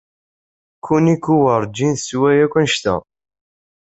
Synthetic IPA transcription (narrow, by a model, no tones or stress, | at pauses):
kʰːunikːuwəɾˤd͡ʒinθswæjækʷænʃt̪æ̰